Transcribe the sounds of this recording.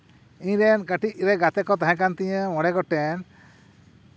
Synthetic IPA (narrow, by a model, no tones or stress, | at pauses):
iɲɾɛnkaʈiʔɾɛɡat̪ɛkɔt̪aɦãkant̪ĩɲəmɔɽɛɡɔʈɛn